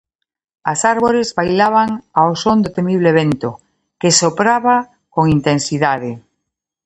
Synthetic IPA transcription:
asaɾβoɾezβajlaβ̞aŋaosõnd̪ot̪emiβ̞leβent̪o | kesopɾaβa | koŋint̪ẽnsiðaðe

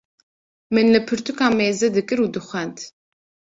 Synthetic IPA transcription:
mɨnlɨpʰɨɾt̪ʰukʰʼaːmeːzɐd̪ɨkʼɨɾuːd̪ɨχʷɛnt̪ʰ

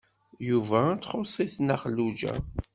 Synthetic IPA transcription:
juvæt͡sːχosˤiθnəχəlːud͡ʒæ̰

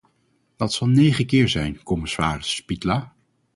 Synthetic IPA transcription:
d̥ɑtsɑlˠnejχəkɪːɹzɛjnkɔmɪsaːrɪsːpitlaː

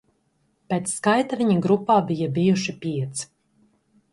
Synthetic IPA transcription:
peːt̪sːkajt̪aviɲaɡɾupːaːbijabijuʃipʲiɛt̪s

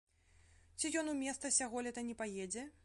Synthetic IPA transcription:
t͡sʲijɔnumʲɛst̪sɐsʲaɣɔlʲɛt̪ɐnʲɛpajed͡zʲɛ

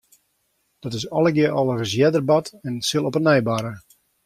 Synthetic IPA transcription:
d̥ɔtɪsɔlˠəɡjəʔɔlˠərəsjɛdərbɑtɛnsɪlˠɔpənɛjbaɾə

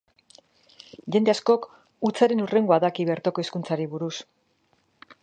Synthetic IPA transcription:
ʝe̞nd̪e̞asko̞k | ut͡saɾe̞nure̞ŋɡoaðakiβe̞ɾt̪oko̞eskunt͡saɾiβuɾus

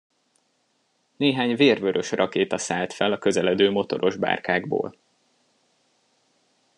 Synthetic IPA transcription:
neːɦaːɲveːrvøɾʔø̞ʃrʔɒkeːt̪ɒsaːlt̪fɛlɒkø̞zɛlɛd̪øːmo̞t̪o̞̰ɾo̞ʒba̰ːrkaːɡbo̰ːl

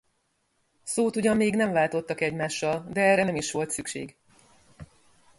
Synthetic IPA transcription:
soːt̪uɟɒmːeːɡnɛɱvaːlt̪o̞t̪ːɒkɛɟmaːʃːɒld̪ɛɛrːɛnɛmiʃʋo̞lt̪sykʃḛːɡ

